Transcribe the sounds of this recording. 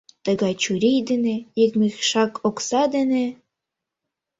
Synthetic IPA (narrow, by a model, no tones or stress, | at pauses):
t̪ə̆ɣɑjt͡ɕuɾʲijd̪enĕjik̚mexʃɑkʰoksɑd̪ĕne